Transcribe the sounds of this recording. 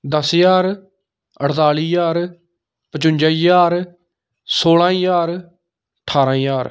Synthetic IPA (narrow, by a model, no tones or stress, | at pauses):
d̪əsjaːɾ | əʈʰt̪aːliːjaːɾ | pət͡ʃʊɲʲd͡ʒaːijaːɾ | soːlãːjaːɾ | ʈʰaːɾãːjaːɾ